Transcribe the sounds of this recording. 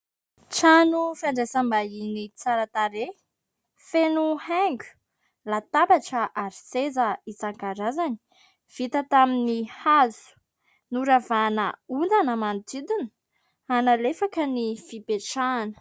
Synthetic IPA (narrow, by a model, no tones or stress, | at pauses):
ʈ͡ʂanufjaɳɖ͡ʐesambainit͡saɾat̪aɾe | fenuhɛŋɡʲu̥ | lat̪abaʈ͡ʂəʔaɾisezəit͡saŋkaɾazani̥ | v̥it̪ət̪aminihazu̥ | nuɾavanə̰und̪anəmant̪id̪in | analefakənifipeʈ͡ʂaːnə̥